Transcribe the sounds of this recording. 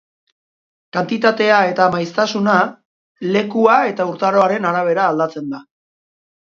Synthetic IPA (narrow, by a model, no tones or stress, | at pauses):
kant̪it̪at̪e̞ae̞t̪amajst̪asuna | le̞kuae̞t̪auɾt̪aɾo̞aɾe̞naɾaβ̞e̞ɾaːld̪at͡send̪a